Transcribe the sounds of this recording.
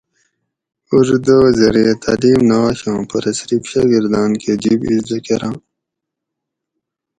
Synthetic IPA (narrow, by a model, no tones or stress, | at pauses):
uʐd̪oːzɐɾiet̪ʰa̰liːmnɐwaːɕãːpɐɾɐsɾipɕaɡiɾd̪aːnked͡ʑibisd̪ɐkeɾãː